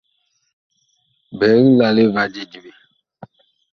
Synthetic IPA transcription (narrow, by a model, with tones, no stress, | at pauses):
bɛ˨˦ɣla˨le˦va˦d͡ʒi˦d͡ʒi˨be˨